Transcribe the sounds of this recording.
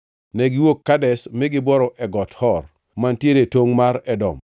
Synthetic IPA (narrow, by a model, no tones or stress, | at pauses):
nɛɡɪwokːadɛsmɪɡɪbɔɾɔʔɛɡɔthɔr | mantjeɾetwoŋmaɾɛdɔ̰m